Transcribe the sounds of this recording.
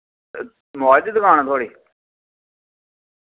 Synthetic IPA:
mɔːd͡ʒd̪kaːñaːt̪ʰoːɽiː

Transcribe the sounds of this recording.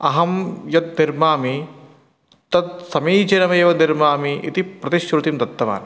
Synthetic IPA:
ɐɦɐmjɐt̪̚niɾmaːmi | t̪ɐt̪̚sɐmiːd͡ʒɐnɐmeːʋɐniɾmaːmiḭt̪ipɾɐt̪iʃɾut̪imt̪ɐt̪ːɐʋa̰ːn

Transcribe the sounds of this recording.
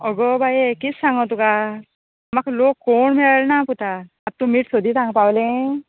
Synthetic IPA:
ɔɡɔbʱajekit͡ssaŋɡɔt̪uka | amakʰlokːoɳmiɭalnaput̪ʰa | ap̚t̪umiʈsod̪ʱit̪ãŋɡpawlẽ

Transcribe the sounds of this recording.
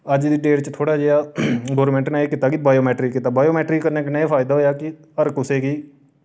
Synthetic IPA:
əd͡ʒd̪iːɖeːɾt͡ʃt̪ʰoːɽaːd͡ʒeːjaːɡoːɾmɛ̃ːɳʈnaːeːkɪt̪ːaːkibaːjoːmɛːʈɾiːkɪt̪ːaːbaːjoːmɛːʈɾiːkəɾneːkɪneeːpʰaːɪd̪aːɦoːjaːkɪ | əɾkʊseːkiː

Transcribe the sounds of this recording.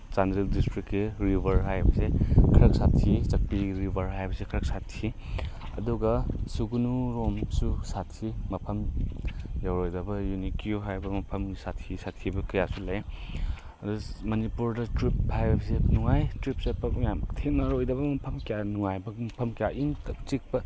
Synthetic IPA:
sandɾildistɾikːeɾibʱɐɾɦajbɐsekʰɐɾɐk̚satʰit͡ʃɐk̚piɾibʱɐɾɦajbɐsekʰɐɾɐk̚satʰiɐ̰duɡɐsuɡunuɾomsusatʰimɐpʰɐm | jawɾojdɐbɐjunikʰiuɦajbɐmɐpʰɐmisatʰisatʰibɐkɐja̰sulaj | ɐdumɐnipuɾdɐtɾiphajbɐsenuŋajtɾip̚sepːɐjamtʰenɐɾojdɐbɐmɐpʰɐmkijanuŋajbɐmɐpʰɐmkijaʔiŋtɐkt͡ʃik̚pɐ

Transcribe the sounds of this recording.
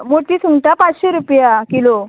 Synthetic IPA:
moʈiːsuŋʈapat͡sɕeɾupjakilo

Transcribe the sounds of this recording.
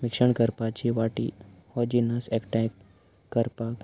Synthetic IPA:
mikʂəɳkəɾpat͡ɕiʋaʈḭhɔd͡ʑinəsekʈɛk | kːəɾpak

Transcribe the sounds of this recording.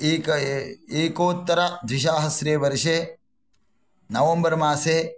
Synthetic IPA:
keːkoːt̪ːɐɾɐd̪ɾɪʃaːɦɐsɾeːʋɐɾʃeː | nɐʋɐmbɐɾmaːseː

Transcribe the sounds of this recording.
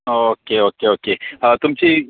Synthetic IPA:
oːkeoːkeoːkeət̪ʊmt͡ʃi

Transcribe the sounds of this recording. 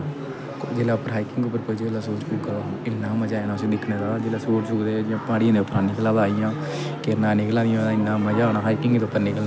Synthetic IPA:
d͡ʒeːlaːpːəɾɦaːikɪŋɡʊpːəɾpoːd͡ʒeːlaːsoːt͡ʃkuːkaɪnːãːməd͡ʒaːenãːsẽːd̪ɪkʰneːd̪ad͡ʒeːlaːsoːʈsʊkd̪eːd͡ʒãːpãːɽijãːd̪eʊpːəɾaːnɪklaːbaːijãː | kenãːnɪklaːd̪ijãɪnːãːməd͡ʒaːnaːɦaːikɪ̃ŋɡt̪ʊpːəɾnɪkəl

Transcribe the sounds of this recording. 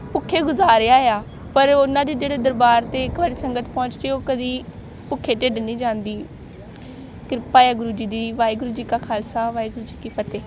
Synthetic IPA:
pʊkʰːeːɡʊzaːɾeaːeaː | pəɾʊnãːd̪iːd͡ʒeːɽeːd̪əɾbaːɾt̪eːɪkʋəɽeːsəŋɡət̪pɔ̃ːt͡ʃd̪eːoːkəd̪iː | pʊkʰːeːʈeːɖnĩːd͡ʒãːnd̪iː | kɪɾɪpaːjaːɡʊɾuːd͡ʒiːd̪iːʋaːiɡʊɾuːd͡ʒiːkaːkʰaːlsaːʋaːiɡʊɾuːd͡ʒiːkiːpʰət̪eː

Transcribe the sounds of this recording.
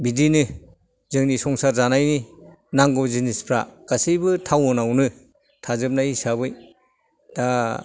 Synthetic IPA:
bidinɯ | zɯŋnisɔŋsaɾzanajni | naŋɡɔzinispʰɾa̰kasijbɯtʰawɔnawnɯ | tʰazɯp̚najisabɯj | da

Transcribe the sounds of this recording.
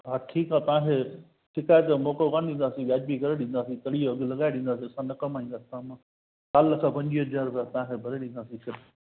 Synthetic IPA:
ɦaːʈʰiːkaːt̪ɐʋãːkʰe | ʈʰɪkaːjt̪emoːkokãːñɗ̪ĩːnd̪aːsĩɡaːd͡ʒbikɐɾeɗĩːn̆d̪aːsĩt̪ɐɽijoɐɡlɐɠaːeɗĩːn̆d̪aːsĩɐsãːnɐkɐmaːĩːnd̪aːsi̥t̪ːmã | kaːlkʰãːpɐ̃ɲd͡ʒiod͡ʒaːɾbat̪ɐʋãːkʰebʱɐɾeɗĩːn̆d̪aːsĩsɐɾ

